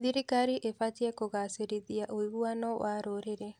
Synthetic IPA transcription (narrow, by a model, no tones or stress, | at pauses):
ðiɾikaɾiʔefatiɛkoɣaseɾiðiaʔoiβuanɔwaɾoɾeɾɛ